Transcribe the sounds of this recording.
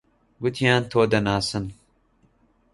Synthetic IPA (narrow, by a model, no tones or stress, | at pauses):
ɡʊt̪ʰijaːnt̪ʰoːd̪ɐnaːsɨn